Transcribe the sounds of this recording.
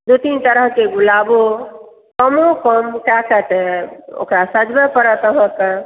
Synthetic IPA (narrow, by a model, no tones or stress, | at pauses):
d̪ut̪int̪əɾəɦkeɡulabo | kəmokəmkakət̪ɛo̰kɾasəd͡ʒbepəɾət̪əɦə̃kə